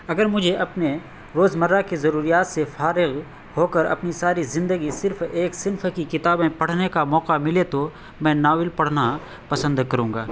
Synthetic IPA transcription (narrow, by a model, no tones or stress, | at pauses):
ɐɡəɾmʊd͡ʒʱeɐpne | ɾoːzmɐɾakizɐɾuːɾijaːt̪sefaːɾɪɣ | hoːkəɾɐ̰pnisaːɾizɪ̃nd̪əɡisɪɾfeːksɪnfkikɪt̪aːbẽpɐɽ̤nekamɔːqamɪlet̪o | mɛ̃ːnaːwɪlpɐɽ̤na | pɐsə̃nd̪kɐɾũːŋɡaː